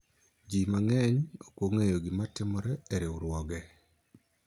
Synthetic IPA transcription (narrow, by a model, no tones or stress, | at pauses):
d͡ʒimaŋɛɲokwoŋejoɡɪmatɪmɔɾɛeɾeuɾwɔɡɛ